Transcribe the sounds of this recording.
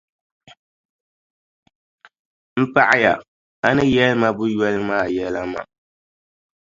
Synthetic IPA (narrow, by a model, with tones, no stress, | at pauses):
m̩˦pa˦ʔa˦ja̰˨ | a˦nɨ˦jɛ˦lma˦bʊ˦jɔ˦lɨ˦maː˦˨jɛ˦la˦ma̰˨